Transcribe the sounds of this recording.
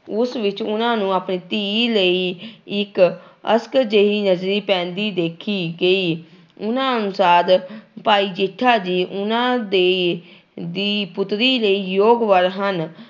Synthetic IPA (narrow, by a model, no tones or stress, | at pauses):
ʊsʋɪt͡ʃʊnãːnũːaːpniːt̪iːləiːɪkəskd͡ʒəiːnəd͡ʒɾiːpɛ̃ːnd̪iːd̪eːkʰiːɡəiː | ʊnãːənʊsaːd̪paːiːd͡ʒɪʈʰːaːd͡ʒiːʔʊnãːd̪e | d̪iːpʊt̪ɾiːləiːjoːɡʋəɾɦən